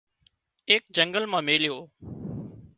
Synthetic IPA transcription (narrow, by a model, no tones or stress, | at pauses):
eːk̚d͡ʒə̃ŋɡəlmãːmeːljoː